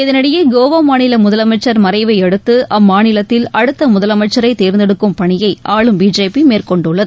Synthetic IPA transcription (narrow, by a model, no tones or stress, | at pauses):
ɪðɐnɐɽɐjɐɡoːʋaːmaːnɪlɐmʊðɐlɐmɐɪt͡ʃːɐɾmɐɾɐɪʋɐɪɛɽɯt̪ːɯʔɐmːaːnɪlɐt̪ːɪlɐɽɯt̪ːɐmʊðɐlɐmɐɪt͡ʃːɐɾɐɪt̪eːɾnd̪ɛɽɯkːɯmpɐɳɪjɐɪʔaːɭɯmbiːd͡ʒeːpimeːrkɔɳɖɯɭːɐðɯ